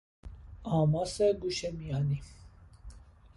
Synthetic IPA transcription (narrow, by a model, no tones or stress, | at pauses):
aːmasɛɡuʃɛmijani